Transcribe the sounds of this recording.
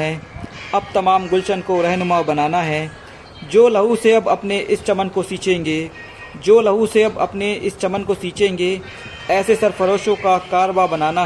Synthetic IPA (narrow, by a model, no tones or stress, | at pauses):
ɦɛːɐb̚t̪ɐmaːmɡʊlt͡ʃənkoɾɛɦnʊmabɐnaːnaɦɛː | d͡ʒoːlɐɦuseɐbɐpneʔɪst͡ʃɐmənkosiːt͡ʃẽːŋɡeː | d͡ʒoːlɐɦuseɐbɐ̰pneɪst͡ʃɐmənkosiːt͡ʃẽːŋɡeː | ɛːsesɐɾpʰɐɾoːʃõkakaːɾbabɐnaːna